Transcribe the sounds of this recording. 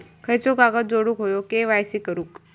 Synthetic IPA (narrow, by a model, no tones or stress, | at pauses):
kʰəjt͡sokaɡət̪̚d͡zoɽuːkɦojokeʋajsikəɾũːk